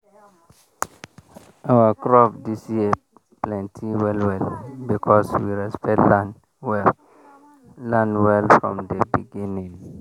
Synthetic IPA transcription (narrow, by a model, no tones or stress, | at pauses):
ʔawakɹɔpdisie | plɛ̃ntʰiwɛlwɛlbikʰɔswiɹɛspɛl | wɛ | lãnwɛlfɹɔ̰̃mdəbiɡĩnĩŋ